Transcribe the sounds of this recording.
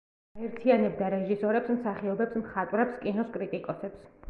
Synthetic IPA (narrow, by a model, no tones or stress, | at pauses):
aɛɾt̪ʰianɛb̚d̪aɾɛʒisɔɾɛpsmsaχiɔbɛpsmχat̪ʼwɾɛpskʼinɔskʼɾit̪ʼikʼɔsɛps